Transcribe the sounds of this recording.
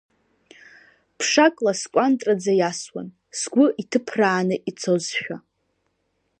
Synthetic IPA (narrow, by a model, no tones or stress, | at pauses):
pʰʂakʼlaskʷʼantʼrʼad͡zajaswa̰n | sɡʷʊʔitʰɨpʰraːnɨʔit͡sʰozʃᶣa